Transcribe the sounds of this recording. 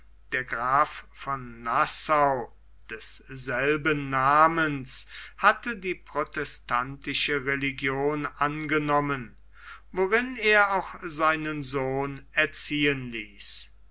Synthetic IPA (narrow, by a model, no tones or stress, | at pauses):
d̥eːɐɡʁaːffɔnːasaʊ | d̥ɛsz̥ɛlbənːaːmənshatədiːpʁ̥otɛstʰantɪʃəʁeliɡjoːnʔanɡənɔmən | voʁɪneːɐaʊxz̥aɪnənzoːnɛɐt͡siːənliːs